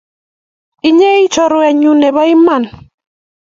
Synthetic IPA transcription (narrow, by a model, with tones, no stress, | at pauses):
i˦ɲe˦i˦t͡ʃɔ˦ɾʊ˦ɛ˨ɲu˦nɛ˨βa˦i˦ma˨n